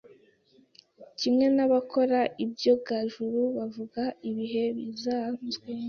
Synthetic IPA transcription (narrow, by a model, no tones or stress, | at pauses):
cimŋe̞naβakʰo̞ɾaʔibjo̞ɡaʒuɾuβavuɡaiβiɦe̞βizaːzɡwe